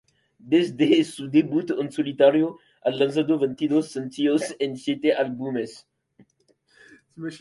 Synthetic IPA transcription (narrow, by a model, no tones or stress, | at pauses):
d̪ezd̪esud̪ebut̪ɔnsolit̪aɾjo | allans̬ad̪ovɛnt̪id̪osːant̪iosenset̪eʔalbumes